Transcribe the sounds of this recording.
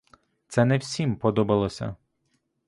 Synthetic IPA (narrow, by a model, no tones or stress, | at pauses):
t̪sɛnɛwsʲimpɔd̪ɔbɐlˠɔsʲɐ̰